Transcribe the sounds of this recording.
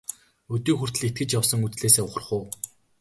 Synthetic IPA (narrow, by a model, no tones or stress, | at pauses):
ɵt̪iːxur̥t̪ɘ̆ɮet̪̚ɡɘ̆t͡ɕjawsə̆ŋut͡sɮeːseːʊχə̆rχʊː